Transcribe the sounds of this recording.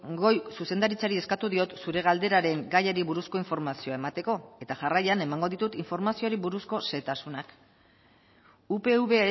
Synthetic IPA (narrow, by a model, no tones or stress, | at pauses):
ɡo̞jsuse̞nd̪aɾit͡saɾie̞skat̪uðio̞t̪suɾe̞ɣ̞ald̪e̞ɾaɾe̞ŋɡajeɾiβuɾusko̞iɱfo̞ɾmasio̞ae̞mat̪e̞ko̞e̞t̪aʝarajane̞maŋɡo̞ðit̪ut̪iɱfo̞ɾmasio̞ɾiβuɾusko̞se̞t̪asunak | upe̞uβe̞